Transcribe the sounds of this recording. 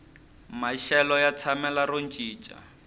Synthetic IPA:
maʃɛlɔjat͡sʰamɛlaɾont͡ʃʼiːt͡ʃʼa̰

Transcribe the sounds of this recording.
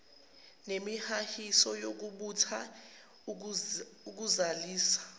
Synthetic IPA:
nemihahisɔjok̬uɓutʰa | uk̬uzaliːsḁ

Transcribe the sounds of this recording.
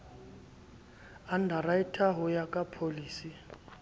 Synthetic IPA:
andʱaɾaitʰaɦɔjakʼapʰoliːsi

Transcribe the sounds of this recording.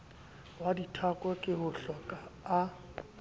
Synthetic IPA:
waditʰakʼwakʼɪɦʊɬɔkʼaː

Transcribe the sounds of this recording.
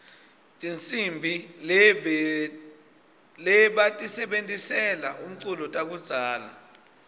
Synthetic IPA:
tʼint͡sʼimbʱilɛ | lɛɓatʼisɛɓentʼisɛlaʔum̩ǀulɔtʼak̬ud̥z̥ʱaːla

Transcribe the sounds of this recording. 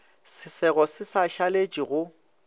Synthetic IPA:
sɪsɛɣɔsɪsaʃalet͡ʃʼiɣʊ

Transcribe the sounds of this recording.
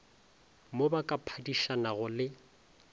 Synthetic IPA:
mobakʼapʰadiʃanaɣʊlɪ

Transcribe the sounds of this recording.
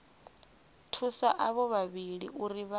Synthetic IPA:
tʰusaʔaβɔβaβiɺḭʔuɾiβa

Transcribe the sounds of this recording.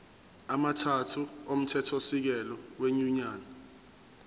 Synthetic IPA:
amatʰatʰuom̩tʰɛtʰosik̬ɛlɔweɲuɲaːna

